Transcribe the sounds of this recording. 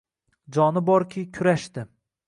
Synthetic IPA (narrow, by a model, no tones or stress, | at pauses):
d͡ʒɒnɪbɒɾkʲʰɪkʲʰʊɾaʃt̪ɪ